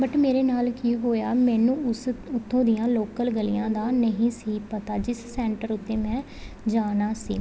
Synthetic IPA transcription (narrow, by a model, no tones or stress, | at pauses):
bəʈmeːɾeːnaːlkiːɦoːja̰ːmɛ̃ːnũːʊsʊt̪ʰːõːd̪ɪjãːloːkəlɡəlḭjãːd̪aːnəɦĩːsiːpət̪aːd͡ʒɪssɛːɳʈəɾʊt̪ːeːmɛ̃ː | d͡ʒaːnaːsḭː